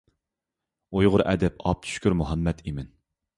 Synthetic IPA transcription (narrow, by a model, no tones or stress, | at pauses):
ujʁʊɾʔɛ̰d̪ɛpʰɑp̚t̪ʰy̥ʃkʲyɾmuɦɑmːɛt̪imɪn